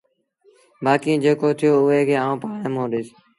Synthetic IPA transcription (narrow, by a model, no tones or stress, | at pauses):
baːkĩːd͡ʒeːkoːt̪ʰɪjoːʊeːkʰeːãːũːpaːɽeːmõːɗɪːs